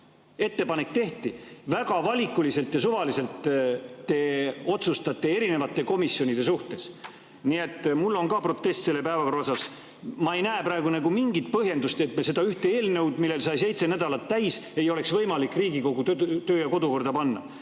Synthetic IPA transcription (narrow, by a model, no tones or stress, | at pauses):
e̞t̪ːe̞pɑne̞kːt̪e̞ht̪ivæɡɑvɑlʲikːˑulise̞lt̪jɑsuvɑlise̞lt̪ː | e̞o̞t̪sust̪ɑt̪ːˑee̞ɾine̞vɑt̪ːˑe̞ko̞misjo̞nid̪̥e̞suht̪e̞s | nie̞t̪ːˑmulːo̞nkɑpro̞t̪ːˑe̞st̪selːepæevɑkorosɑs | mɑe̞jnæːprɑeɡunæɡumiŋɡit̪̚pɤɦje̞nd̪ust̪e̞t̪mese̞d̪ɑyht̪eeːlne̞wd̪milːe̞lsɑjse̞jt̪se̞næd̪̥ɑlɑt̪ːæjse̞jo̞le̞ksvɤjmɑlikːˑriːɡiko̞ɡ̥ut̪øːjɑko̞d̪uko̞rd̪̥ɑpɑnːɑ̰